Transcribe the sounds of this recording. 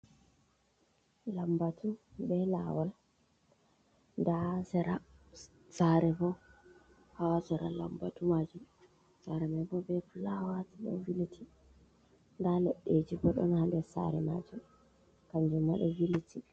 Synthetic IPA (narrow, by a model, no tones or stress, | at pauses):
lambatubɛla̰wal | ndasɛɾa | saɾɛfɔ | hawasɛɾa̰la̰mbatumad͡ʒum | saɾɛmabɔbɛflawatiɗɔ̰vilitʰi | ndalɛɗːed͡ʒibɔɗɔ̰nhandɛsa̰ɾɛma̰d͡ʒum | kaɲd͡ʒumːaɗɔvilitʰi